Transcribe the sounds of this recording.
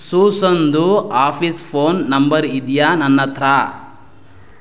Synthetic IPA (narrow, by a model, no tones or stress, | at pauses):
suːsond̪uaːpʰispʰoːnːɐmbɐɾid̪janɐnːɐt̪ɾa